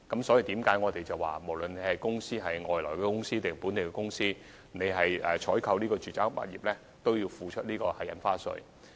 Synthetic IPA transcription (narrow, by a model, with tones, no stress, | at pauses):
kɐ˨˥msɔ˨˧˥ji˧t̪iː˨˥mkaː˨˥jŋɔː˨˧t̪e˨jt͡sɐ˨wa̰ː˨˩mo˨˩wlɵ˨ne˨˧jhɐ˨jkʊ˥ŋsiː˥ɦɐ˨jŋɔː˨˩jlɔː˨˩jkɛː˧kʊ˥ŋsiː˥t̪e˨˩pu˨˥nt̪e˨jkɛː˧kʊ˥ŋsiː˥ | ne˨˧ɦɐ˨jɛ̰˨t͡ʃʰɔː˨˥jkʰɐ˧wliː˥kɔː˧t͡ʃyː˨˩t͡saː˥ŋpa̰ː˨t̚jḭː˨p̚lɛː˥ | t̪o˥wji˧wfuː˨˧t͡ʃʰɵ˥t̚liː˥kɔː˧hɐ˨jɐ̰˨˥nfaː˥sɵ̰˨˧